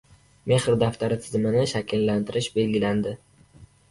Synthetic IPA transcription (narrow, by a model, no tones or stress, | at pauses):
me̞hɾd̪aft̪aɾɪt̪ʰɪzmɪnɪʃakʲʰɪllant̪ʰɪɾɪʃbe̞lɡʲɪland̪ɪ